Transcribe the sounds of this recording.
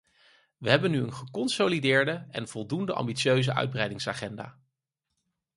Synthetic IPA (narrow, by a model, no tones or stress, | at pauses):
ʋəɦɛbənyənχəkɔnsolidɪːɹdəɛ̰nv̥ɔlˠdundəʔɑ̰mbitt͡ʃøɥzəʔœ̰ɥd̚brɛjdɪŋsaːχɛnda̰ː